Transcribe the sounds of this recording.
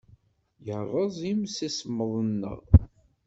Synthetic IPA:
jəɾˤəzˤimsisəmːəðˤənːə̰ʁ

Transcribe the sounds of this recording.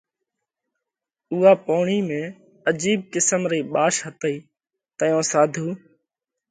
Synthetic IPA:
uːaːpoːɳiːmẽː | əd͡ʒiːb̚kɪsəmɾiːɓaːʃɦət̪əiː | t̪əjõːsaːd̪ʱuː

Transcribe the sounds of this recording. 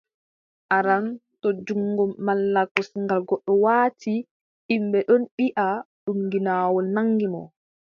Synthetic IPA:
ʔaɾantɔd͡ʒuŋːɡɔmːalːakɔsŋɡalɡɔɗːɔwaːti | ʔimbɛɗɔnɓiʔaɗuŋɡinaːwɔlnaŋɡimɔ̰

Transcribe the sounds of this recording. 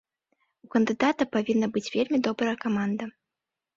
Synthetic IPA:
ukənd̪ɨd̪at̪ɐpavʲinːɐbɨt͡sʲvʲelʲmʲid̪ɔbɾɐjɐkamand̪ɐ

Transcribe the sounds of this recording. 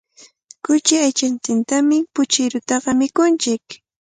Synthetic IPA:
kʊt͡ʃɪajt͡ʃant̪ɪnt̪amɪpʊt͡ʃɪɾʊt̪ɑɢɑmɪkʊnt͡ʃɪk

